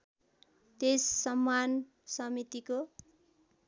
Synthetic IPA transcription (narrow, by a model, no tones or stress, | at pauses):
t̪esːʌmːan | sʌmit̪iko